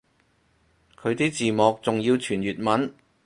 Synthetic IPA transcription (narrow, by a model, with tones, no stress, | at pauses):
kʰɵ˨˧ɥt̪iː˥t͡siː˨mɔː˨˧k̚t͡sʊ˨ŋjiː˧wt͡ʃʰyː˨˩njyː˨t̚mɐ˨˥n